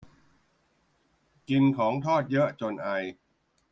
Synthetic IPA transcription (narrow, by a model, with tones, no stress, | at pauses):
ki˧nkʰɔː˩˦ŋt̪ʰɔː˥˩t̪̚jɤ˦˥ʔt͡ɕo˧nʔa˧j